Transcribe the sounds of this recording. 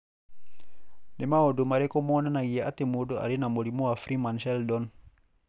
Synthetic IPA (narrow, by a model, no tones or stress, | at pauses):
nemaɔdomaɾɛkɔmɔnanaɡiaat̪emodoʔa̰lenamolimoafɾimanʃɛldɔn